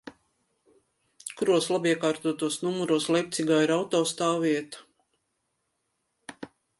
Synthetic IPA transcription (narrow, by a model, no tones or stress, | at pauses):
kuɾuɔslˠabiɛkaːɾt̪uɔt̪uɔsnumuɾuɔslˠɛjk̚t̪siɡaːiɾawt̪ɔːst̪aːviɛt̪ɐ̥